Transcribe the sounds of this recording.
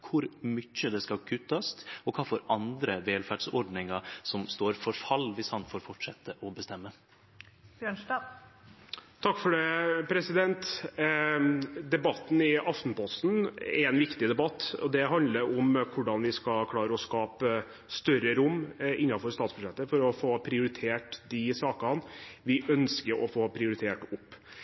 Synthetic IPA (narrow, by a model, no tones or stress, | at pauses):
kʰʊɾmʏçːəd̪ɛskɑkʰʉt̪ːɑst̪ɔkʰɑːfɔɾɑnd̪ɾəʋeːlfæɖsɔɖnɪŋɑɾsɔmst̪oːɾfɔɾfɑlːʋɪshɑnfoːɾfɔʈʂɛt̪ʰːəʔɔbəst̪ɛmːə | bjøːɳʈɑ | t̪ʰɑkːfɔɖɛpʰɾɛsɪd̪ɛnt̪ | d̪ɛbɑt̪n̩ɪʔɑft̪n̩pʰɔst̪n̰ɛ̰ɾɛnʋɪkt̪ɪd̪ɛbɑt̪ːɔd̪ɛɦɑnd̪ləɾʊmkʰʊɖɑnʋɪskɑkʰlɑːɾəɔskɑːpə | st̪œɾəɾʊmːʔɪnːɑfɔɾst̪ɑːt̪sbʉʂɛt̪ːəfɔɾɔfoːpʰɾɪʊɾɪt̪ʰeːʈd̪ɪsɑːkəɑnʋɪʔœnskəɾɔ̰foːpʰɾɪʊɾɪt̪ʰeːʈʊpː